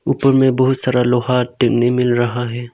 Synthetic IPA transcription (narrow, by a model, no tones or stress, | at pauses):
uːpəɾmẽbɐɦʊt̪saːɾaloːɦaːʈnemɪlɾɐɦaɦɛː